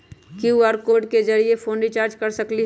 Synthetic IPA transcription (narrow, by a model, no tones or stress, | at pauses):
kjuuaɾkoːɖked͡ʒɐɾiefʰoːnit͡ʃaːɾd͡ʒkɐɾsəkli